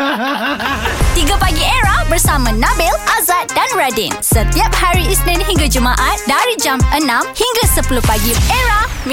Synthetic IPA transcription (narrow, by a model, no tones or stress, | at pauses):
t̪iɡapaɡieɾahbərsamãnãbilʔazat̪̚danɹadinsət̪iap̚haɾiisnɛ̃nɦiŋɡad͡ʒumãʔat̪̚daɾid͡ʒamənãmhiŋɡasəpuluhpaɡieɾahm